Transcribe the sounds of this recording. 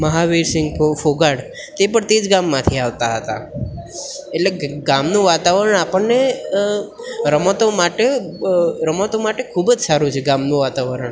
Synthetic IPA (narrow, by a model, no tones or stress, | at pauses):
məɦaʋeɾsɪ̃ŋɡofoɡaɽ | t̪ep̬əɳt̪ed͡ʒɡamːãt̪ʰiaʋt̪aɦət̪a̰ | eʈleɡamnũʋat̪aʋəɾəɳ̃apəɳne | ɾəmot̪omaʈe | ɾəmot̪omaʈekʰubəd͡ʒsaɾũt͡ʃʰeɡamnũʋat̪aʋəɾəɳ